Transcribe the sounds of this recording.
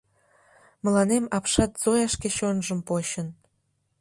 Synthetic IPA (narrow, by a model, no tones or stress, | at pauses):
mə̆lɑnemɑpʃɑt̪z̥ojɑʃkeɕonʒə̆mpoɕə̆n